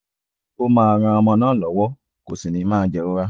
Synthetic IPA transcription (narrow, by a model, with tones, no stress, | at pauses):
o˧mãː˧a˧ɾ̃ã˧ɔ˧mɔ̃˧nãː˦˨lɔ˨˦wɔ˦ | ko˨si˨nĩ˨˧˦mãː˦˧˦d͡ʒɛ˧ɾo˦ɾa˦